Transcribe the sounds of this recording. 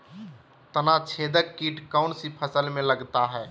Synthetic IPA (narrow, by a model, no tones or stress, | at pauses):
t̪ənat͡ʃʰeːd̪əːiːʈkaʊnsipʰəsəlmẽləɡt̪aɦɛː